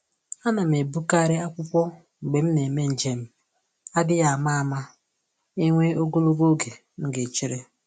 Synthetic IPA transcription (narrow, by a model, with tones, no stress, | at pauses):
a˦na˨m̩˨e˨bu˦ka˦˨ɾɪ˦a˦kʷʊ˦pʷɔ˦ | ŋ͡m̩˨ɡ͡be˨m̩˦ne˨me˦n̩˨d͡ʒe˨m̩˦ | a˦dɪ˦ja˨a˨ma˦a˨ma˦ | e˦ŋʷe˦o˦ɡo˦lo˦ɡo˦ɡe˨ | ŋ̩˦ɡe˨t͡ʃi˦ɾe˦